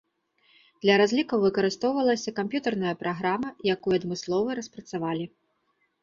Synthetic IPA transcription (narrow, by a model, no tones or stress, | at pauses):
d̪̥lʲɐɾazʲlʲikɐwvɨkɐɾɨst̪ɔwvɐlˠɐsʲɐkampjut̪ɐrnɐjɐpɾaɣɾamɐjakujuɐd̪mɨslˠɔvɨɾɐspɾɐt̪savalʲi